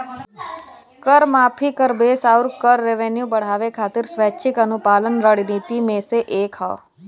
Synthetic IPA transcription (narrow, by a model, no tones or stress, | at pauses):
kəɾmaːpʰikəɾbeːsaːʊɾkəɾːeʋenjubɐɽ̤aːʋekʰaːt̪ɪɾsʋɛːtːʃʰɪkɐnʊpaːlənɾəɽniːt̪imẽseʔeːkɦa̰